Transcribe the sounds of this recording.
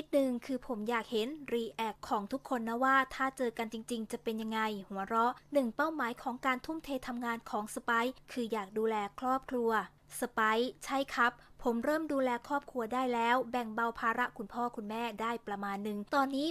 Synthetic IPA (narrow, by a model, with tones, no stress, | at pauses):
i˦˥t̪̚nɯ˨˩ŋkʰɯː˧pʰo˩˦mjaː˨˩k̚he˩˦nɾiː˧ʔɛː˨˩kʰːɔː˩˦ŋt̪ʰu˦˥kʰːo˧nːa˦˥waː˥˩t̪ʰaː˥˩t͡ɕɤː˧ka˧nt͡ɕi˧ŋt͡ɕi˧ŋt͡ɕa˨˩pe˧nja˧ŋːa˧jhu˨˩˦ɐɾɔ˦˥ʔnɯ˨˩ŋpa˥˩wmaː˩˦jkʰɔː˩˦ŋkaː˧nt̪ʰu˥˩mt̪ʰeː˧t̪ʰa˧mŋaː˧nkʰɔː˩˦ŋsa˧pa˦˥jkʰɯː˧jaː˨˩k̚duː˧lɛː˧kʰɾɔː˥˩p̚kʰɾu˧ɐ | sa˧pa˦˥jt͡ɕʰa˥˩jkʰa˦˥pʰːo˩˦mɾɤː˥˩mduː˧lɛː˧kʰɾɔː˥˩p̚kʰɾu˧ɐdaː˥˩jlɛː˦˥wbɛ˨˩ŋba˧wpʰaː˧ɾa˦˥ʔkʰu˧npʰɔː˥˩kʰu˧nmɛː˥˩daː˥˩jpɾa˧maː˧nːɯ˨˩ŋt̪ɔː˧nːiː˦˥